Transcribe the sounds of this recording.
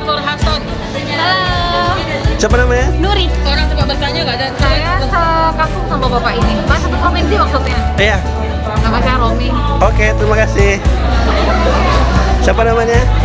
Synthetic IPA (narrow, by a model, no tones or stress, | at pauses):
t̪ɔlɦasɔn | sapanamaɲanuɾioɾaŋt̪ibaʔbərt̪aɲaɡad͡ʒansajasəkasʊŋsambabapaʔinimasat̪ʊt̪hɔminsiwak̚tut̪̚ɲaija | apat͡ʃaɾomi | oket̪əɾimakasɪh | sapanamaɲa